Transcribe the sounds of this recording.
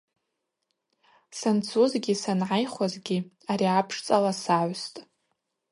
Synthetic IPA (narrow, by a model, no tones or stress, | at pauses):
sant͡sʰuzɡʲisanʕajχwazɡʲi | aɾiapʰʂt͡sʼalasaʕʷstʼ